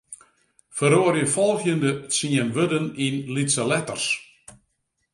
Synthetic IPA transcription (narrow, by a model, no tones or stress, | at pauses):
fəɾoːərjəfɔlˠxjəndət͡siənʋødəninlitsəlɛtərs